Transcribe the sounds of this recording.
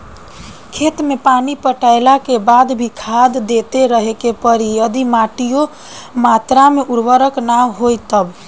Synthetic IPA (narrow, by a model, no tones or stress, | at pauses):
kʰet̪mepanipəʈaɪlakebad̪bʱikʰad̪ːet̪eɾəɦekepəɾiəd̪imaʈijo | mat̪ɾameʔuɾbəɾəknamɦojt̪əb